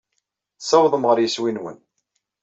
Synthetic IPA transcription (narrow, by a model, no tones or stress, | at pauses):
sɑwðˤəmʁəɾjəswinwə̰n